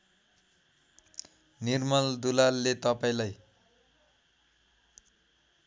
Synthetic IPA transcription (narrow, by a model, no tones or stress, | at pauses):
nirmʌld̪ulalːet̪ʌpaĩlaj